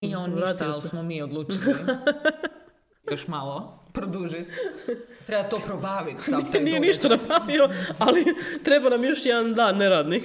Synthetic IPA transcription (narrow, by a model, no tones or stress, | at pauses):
ionɾaːt̪islsesmomiod̪lˠuːt͡ʃ | oʃmalˠo | pɾod̪uʒit̪ | t̪ɾebat̪oːpɾobaːʋit̪anijeniʃt̪anapɾaːʋioalit̪ɾebanamjoʃjɛd̪and̪aːnːeɾaːd̪nik